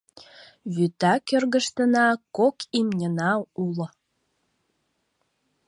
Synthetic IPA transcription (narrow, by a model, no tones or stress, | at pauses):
βyt̪ɑkørɣə̆ʃt̪ə̆nɑkokimnʲənɑulŏ